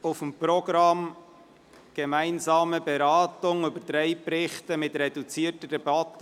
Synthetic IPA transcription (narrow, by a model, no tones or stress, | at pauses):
ʊfəmpɾɔɡ̥ɾɑm | ɡ̥emæɪnzɑːməbeɾɑːtʊŋʏbəɾd̥ɾɛɪpɾɪχt̪əmɪtɾɛdut͡siːətəd̥ɛb̥ɑt̪ːə